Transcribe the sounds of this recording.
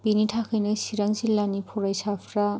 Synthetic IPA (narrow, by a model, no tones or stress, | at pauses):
binitʰakʰɯjnɯsiɾaŋzilːanipʰɔɾajsapʰɾa